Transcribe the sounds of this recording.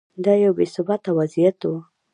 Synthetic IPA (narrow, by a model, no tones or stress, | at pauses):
d̪ajawbesʊbɑt̪awazijat̪wu